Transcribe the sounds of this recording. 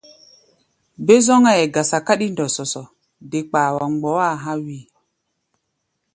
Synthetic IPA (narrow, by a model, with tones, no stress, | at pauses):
be˦zɔ˦ŋa˨ɛ˨ɡa˨sa˨ka˦ɗi˦ndɔ˨sɔ˨sɔ˨ | de˨k͡paː˨wa˨ŋ͡mɡ͡bɔ˨˦wa˦˨ɦã˦wi˦˨